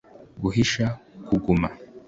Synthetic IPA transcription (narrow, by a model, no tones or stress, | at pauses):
ɡuɦiʃakuɡuma